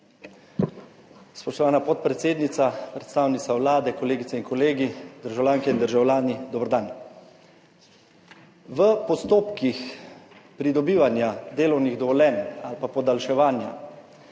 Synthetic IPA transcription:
spɔʃt̪ɔʋaːnapɔt̪̚pɾɛt̪seːd̪nit̪sapɾɛt̪st̪aːwnit̪sawlaːd̪ɛkɔleːɡit̪sɛiŋkɔleːɡid̪əɾʒawlʲjaːŋkɛind̪əɾʒawlʲaːnid̪ɔbɾd̪an | ʋəpɔst̪oːpkix | pɾid̪ɔbiːʋanjad̪eːlɔwniɣd̪ɔʋɔlʲɛnalpapɔd̪alʃɛʋaːnja̰

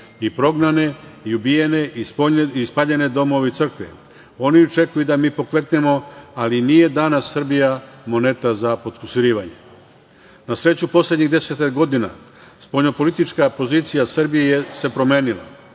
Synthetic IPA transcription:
ipɾo̞ɡnane̞iubijene̞ʔisoispaʎe̞ne̞d̪o̞mo̞ʋeit̪sr̩kʋḛ | o̞niot͡ʃe̞kujud̪amiːpo̞kle̞t̪ne̞mo̞aliniːje̞d̪anasːr̩bijamo̞ne̞t̪azapo̞t̪kusiɾiːʋaɲe̞̰ | nasɾe̞t͡ɕupo̞sled̪ɲiɣd̪e̞set̪akɡo̞d̪ina̰ | spo̞ʎo̞po̞lit̪it͡ʃkapo̞ziːt̪sijasr̩bijejese̞pɾo̞me̞ːnila̰

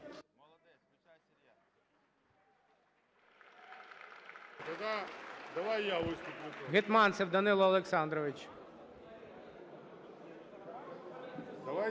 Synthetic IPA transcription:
t̪ɐd̪ad̪ɐʋajjaʋɪst̪ʊp̪ʲɪt̪ɣɪt̪mɑnt̪sɪwd̪ɐnɪlˠɐɐlˠeksɑnd̪ɾɔʋɪt͡ʃ | d̪ɐʋa

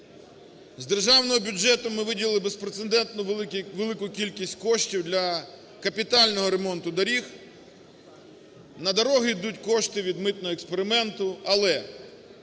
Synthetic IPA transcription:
zd̪e̞rʒɑwnɔɦɔbʲʊd͡ʒɛt̪ʊmɪʋɪdʲilˠlˠɪbespɾet̪send̪ɛnt̪nʊʋelˠɪkʊkʲilʲkʲisʲtʲkɔʃtʲiwd̪lʲɐ | kɐpʲit̪ɑlʲnɔɦɔɾemɔnt̪ʊd̪ɐɾʲix | nɐd̪ɐɾɔɦɪjd̪utʲkɔʃt̪ɪʋʲid̪mɪt̪nɔɦɔekspe̞ɾɪmɛnt̪ʊɐlˠɛ

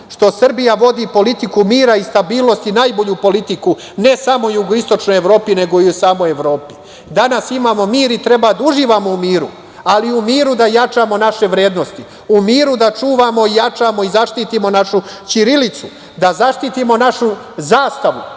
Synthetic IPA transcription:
ʃt̪o̞sr̩bijaʋo̞d̪ipo̞lit̪ikumiːɾaist̪abiːlˠno̞st̪inaːjbo̞ʎupo̞lit̪iku | ne̞samo̞juɡoist̪o̞t͡ʃnojeʋɾo̞ːpine̞ɡo̞iusaːmojeʋɾo̞ːpi̥ | d̪anasimaːmo̞miːɾit̪ɾe̞bad̪auʒiːʋamo̞umiːɾu | aliumiːɾud̪ajat͡ʃaːmo̞naʃe̞ʋɾe̞ːd̪no̞st̪i | umiːɾud̪at͡ʃuːʋaːmo̞ijat͡ʃamo̞izaʃt̪iːt̪imo̞naʃut͡ʃiɾilit̪su | d̪azaʃt̪it̪imo̞naʃu | zaːst̪aʋu

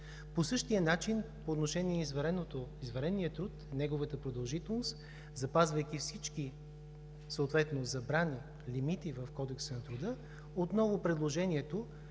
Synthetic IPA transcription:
posɤʃt̪iənat͡ʃinpoːt̪noʃɛniɛizvɐɾɛnot̪oizvɐɾɛnːijət̪ɾut̪nɛɡovət̪əpɾod̪ɐlˠʒit̪ɛlˠnost̪ | zɐpazvəjkifsit͡ʃki | soːt̪vɛt̪nozɐbɾani | limit̪ivəfkɔd̪ɛksənɐt̪ɾʊd̪ɤ | ot̪nɔvʊpɾɛd̪lˠoʒɛniɛt̪o

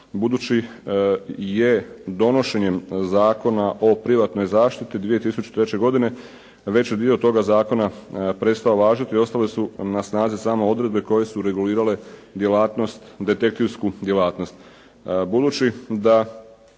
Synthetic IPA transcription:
bud̪uːt͡ɕi | je̞d̪o̞no̞ʃe̞ɲe̞mzaːko̞naʔo̞pɾiʋat̪no̞jzaːʃt̪it̪id̪ʋije̞t̪isut͡ʃu̥t̪ɾe̞t͡ɕe̞ɡo̞d̪ine̞ | ʋe̞t͡ɕed̪io̞t̪o̞ɡazaːko̞napɾe̞t̪st̪ao̞ʋaːʒat̪io̞st̪alesunasnaːzisaːmoo̞d̪ɾe̞d̪̚be̞ko̞je̞suɾe̞ɡuliːɾale̞d̪je̞laːt̪no̞st̪d̪e̞t̪e̞k̚t̪iwskud̪jelaːt̪no̞st̪ | bud̪uːt͡ʃid̪a

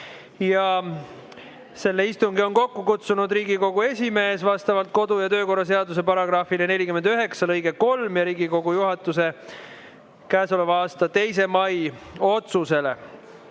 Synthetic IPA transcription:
jɑ | se̞lːe̞ist̪uŋɡio̞nko̞kːukut̪sunud̪riːɡiko̞ɡ̥ue̞sʲime̞ːsvɑst̪ɑvɑlt̪̚ko̞d̪ujɑt̪ø̞ːko̞rːɑs̬e̞ɑd̪us̬e̞pɑɾɑɡ̥rɑːfilenelʲikyme̞nd̪yɦe̞ksɑlɤjɡ̥eko̞lmjɑɾiːɡiko̞ɡ̥ujuɦɑt̪ːˑuse̞ | kæːso̞le̞vɑɑːst̪ɑt̪e̞js̬e̞mɑjo̞t̪suse̞le̞̰

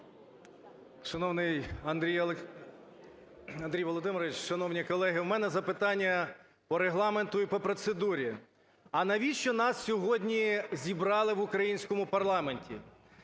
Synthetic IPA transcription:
ʃɐnɔwnɪjɐnd̪ɾʲijˠ | ɐnd̪ɾʲijʋɔlˠɔd̪ɪmɾɔʋʲɪt͡ʃʃɐnɔwnʲikɔlˠɛɦɪwmɛnɛzɐpɪt̪ɑnʲːɐ | pɔɾeɦlˠɑment̪ʊipɔpɾɔt̪sed̪uɾʲi | ɐnɐʋʲiʃt͡ʃɔnɑssʲɔɦɔdʲnʲizʲibɾɑlˠɪʋʊkɾɐjinʲsʲkɔmʊpɐrlˠɑmenʲtʲḭ

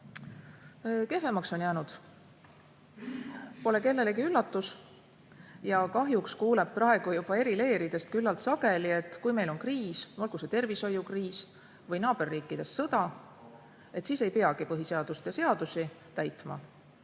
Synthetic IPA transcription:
ke̞fe̞mɑkso̞njæːnud̪̥ | po̞le̞ke̞lːe̞leɡiylːɑt̪ːˑus | jɑkɑɦjukskuːle̞b̚prɑe̞ɡ̥ujub̥ɑe̞ɾile̞ːɾid̪̥e̞st̪̚kylːɑlt̪sɑɡ̥e̞lie̞t̪ːˑkujme̞jlo̞nkriːsolɡ̥uset̪e̞rviso̞jːukriːs | vɤjnɑːb̥e̞rːiːkːˑid̪̥e̞sːɤd̪̥ɑ | e̞t̪siːse̞jpe̞ɑɡ̥ipɤɦise̞ɑd̪̥ust̪jɑse̞ɑd̪̥usi | t̪æjt̪mɑ̰

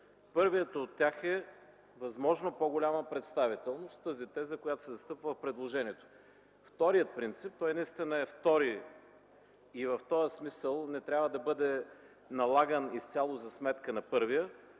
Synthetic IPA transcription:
pɤɾvijət̪ːt̪ʲːaxɛ | vɐzmɔʒnopoɡʊlʲaməpɾɛt̪st̪avit̪ɛlˠnost̪ːəzit̪ɛzəkʊjat̪o̥sɛzɐst̪ɤpvəfpɾɛd̪lˠoʒɛniɛt̪o̥ | ft̪ɔɾijət̪̚pɾint̪sip̚t̪ɔjnɐist̪inəɛft̪ɔɾi | ivɐft̪ɔjəsmisəlˠnɛt̪ɾʲjabvəd̪ɐbɤd̪ɛ | nɐlˠaɡənist̪sʲalˠozɐsmɛt̪kənɐpɤɾvijə

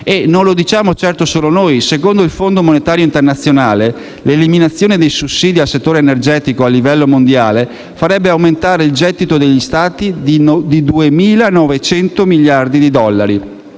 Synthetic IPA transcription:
enonlod̪it͡ʃaːmot͡ʃɛrt̪osoːlonoːjsekond̪oilfond̪omonet̪aːɾjoint̪ernat̪sːjonaːle | leliminat̪sːjoːned̪ejsusːiːd̪ialset̪ːoːɾeːnerd͡ʒɛːt̪ikoalːivɛlːomond̪jaːle | faɾɛbːeawment̪aːɾeild͡ʒɛd̪it̪od̪eʎːist̪aːt̪id̪id̪id̪uemiːlanɔvet͡ʃɛnt̪omiʎːard̪id̪id̪ɔlːaɾi

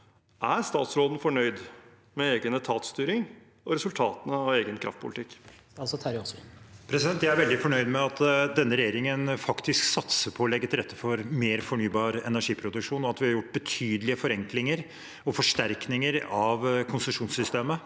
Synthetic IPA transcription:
ʔæɾst̪ɑːt̪sɾoːd̪n̩fɔɳœʏd̪ | mɛeːɡənət̪ʰɑːt̪st̪yːɾɪŋ | ɔɾɛsʉlt̪ʰɑːt̪ənəɑʋeːɡənkʰɾɑ̰ft̪̚pʰʊ̰lɪt̪ʰɪkː | ɑlsɔt̪ʰæɾɔspʰɾɛsɪd̪ɛnt̪jæɪæɾʋɛld̪ɪfɔɳœʏd̪mɛɑt̪d̪ɛnːəɾɛjeːɾɪŋənfɑkt̪ʰɪsksɑt̪səɾpʰɔːlɛɡːt̪ɪlɾɛt̪ːəfɔɾmeːɾfɔɳyːbɑːɾɛ̰næʂiːpʰɾʊd̪ʉkʂuːnɔɑt̪ʋɪhɑɾjʊʈːbət̪ʰyːd̪əlɪəfɔɾɛŋklɪŋəɾ | ɔfɔʂʈæɾknɪŋəɾɑʋkʰʊnsʉmʂuːnsʏst̪eːmə

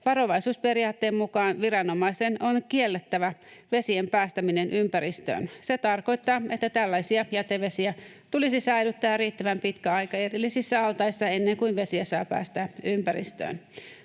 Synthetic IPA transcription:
ʋɑro̞ʋɑisuːsperiɑːt̪ːeːmmukɑːnʋirɑnomɑisenonkielːet̪ːæʋæʋe̞siempæːst̪æminenʔympæɾist̪ø̰ːnset̪ɑrko̞jt̪ːɑːet̪ːæt̪ælːæisiɑjɑt̪eʋesiæ | t̪ulisisæilyt̪ːæːrriːt̪ːæʋæmpit̪kæɑjkɑerilːisisːæɑlt̪ɑisːɑenːeŋkuinʋesiæsɑːpæ̰ːst̪æːympæɾḭst̪ø̰ːn

